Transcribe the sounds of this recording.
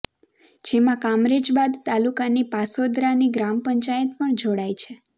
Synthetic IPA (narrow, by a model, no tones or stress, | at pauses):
d͡ʒemãkamɾed͡ʒbad̪t̪alukanipasod̪ɾaniɡɾampəɲt͡ʃajət̪̚pəɳd͡ʒoɽajt͡ʃʰe